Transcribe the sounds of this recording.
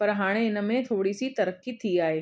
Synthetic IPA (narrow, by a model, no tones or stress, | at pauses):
pɐɾɦaːɽ̃eɪn̆mẽt̪ʰoːɽisit̪ɐɾəkːit̪ʰiaːɦeː